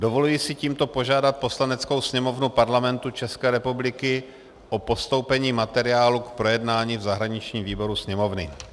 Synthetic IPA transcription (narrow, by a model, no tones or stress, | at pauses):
dovo̞lujisɪciːmt̪o̞po̞ʒaːdat̪̚po̞slanɛt͡sko̞wsɲɛmo̞vnupaɾlamɛnt̪ut͡ʃɛskɛːɾɛpublɪkɪ | ʔopo̞st̪o̞wpɛɲiːmat̪ɛɾɪaːlukpɾo̞jɛdnaːɲiːvzaɦɾaɲɪt͡ʃɲiːmviːbo̞ɾusɲɛmo̞vnɪ̰